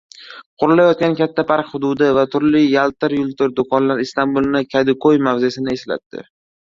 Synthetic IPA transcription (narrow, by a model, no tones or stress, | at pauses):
qʰʊɾɪlajɒt̪̚ʲankʲat̪ʰːapʰaɾqhʊd̪ʊd̪ɪvat̪ʰʊɾlɪjalˠt̪ɪɾjʊlˠt̪ɪɾd̪okɒnlaɾɪst̪anbulˠnɪkʲʰad̪ɪkojmavzesɪnɪe̞sla̰t̪ːɪ̰